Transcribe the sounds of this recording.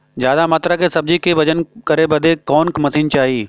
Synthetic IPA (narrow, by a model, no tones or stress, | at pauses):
zjaːd̪amaːt̪ɾakesɐb̚d͡ʒikʰeʋɐd͡ʒənkɐɾebɐd̪ʱekɔːnkmɐt̪ʰiːnt͡ʃaːɦiː